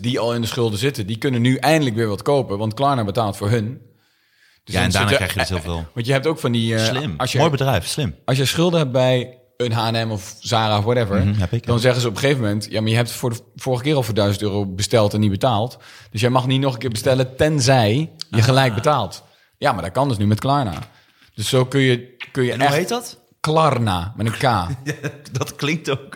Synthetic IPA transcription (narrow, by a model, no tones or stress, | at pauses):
diɔlˠɪndəsχʏlˠdəzɪtədikønənːyʔɛjəndələkʋɪːɹʋɔtkoːpəʋɑntklaːnabətaːlˠtfʊːɹɦɵn | d̥øsɛndanaɛjɪːlˠvɪ̰ʋɑntjəɦɛp̚towkfɑndilɪmsjəojbədrɛjfslɪmɑls̬jəsχʏlˠdəɦɛp̚bɛj | ənɦaːɛnɛmɔfzaːraɔfʋɔtɛvəɹɦɛkdɔnzɛχəzəɔpəχeːvəmɛntjamaɹjəɦɛp̚tfʊːɹfoːɹɣəkɪːrɔfdœɥzəntøːrowbəstɛlˠtɛnːibətaːlˠtd̥øs̬jɛjmɑχnitnɔχənkɪːɹbəstɛlətɛnzɛjjəxəlɛjk̚bətaːlˠt | jamaːɹdɔkɑndətnymɛtklaɹna̰ | d̥øsːoːkønjəkønjənuɛet | klarnamɛtənkaːdɔtklɪŋk̚tok